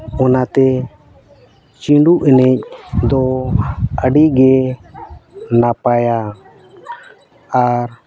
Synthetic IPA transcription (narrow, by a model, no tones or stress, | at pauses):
ɔnat̪ɛ | t͡ʃiɳɖuʔɛnɛc̚d̪ɔ | əɖiɡɛ | napaja | ɾ